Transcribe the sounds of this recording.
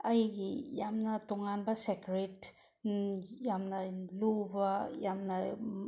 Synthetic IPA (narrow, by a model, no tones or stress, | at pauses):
ajɡijamnatuŋanbasekɾet | jamnalubajamna